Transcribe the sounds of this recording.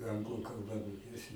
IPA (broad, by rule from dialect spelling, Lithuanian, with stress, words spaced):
ˈɐŋɡlˠʊ kɐlˠˈbɐ moːˈkʲeːsʲɪ